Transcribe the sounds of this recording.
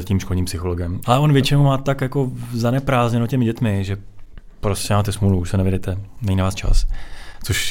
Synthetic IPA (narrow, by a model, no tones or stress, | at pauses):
aciːmʃko̞lɲiːmpsɪxolo̞ɡɛmʔalɛʔonvjɛt͡ʃɪnoumaːt̪akjako̞zanɛpɾaːzɲɛnocɛmɪɟɛt̪mɪʒɛ | pɾoscɛmaːt̪ɛsmuluuʃsɛnɛvjɪdɛt̪ɛnɛɲinavaːst͡ʃa̰st͡soʃ